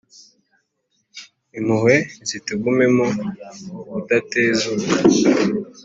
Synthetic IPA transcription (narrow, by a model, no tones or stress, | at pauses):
inuhweziteɡumɛmɔ | kutatezu